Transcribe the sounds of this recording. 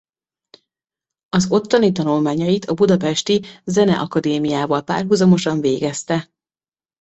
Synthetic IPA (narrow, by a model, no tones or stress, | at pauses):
ɒzo̞t̪ːonit̪ɒnulmaːɲɒjit̪ʰɒbud̪ɒpɛʃt̪izɛnɛ̰ʔɒkɒd̪eːmijaːvɒlpa̰ːrɦuzɒmo̞ʃɒɱveːɡɛst̪ɛ